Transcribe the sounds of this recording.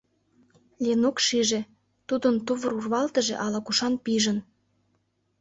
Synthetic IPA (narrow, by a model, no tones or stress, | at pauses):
lʲenokʃiʒe | t̪ud̪ənt̪uβə̆ɾurβɑlt̪ə̆ʒḛʔɑlɑkuʃɑnpiʒə̆n